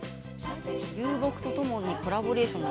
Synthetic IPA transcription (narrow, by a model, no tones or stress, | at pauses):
jɯːbo̞kɯ̟t̪o̞t̪o̞mo̞ɲ̟iko̞ɾabo̞ɾe̞ːɕõnː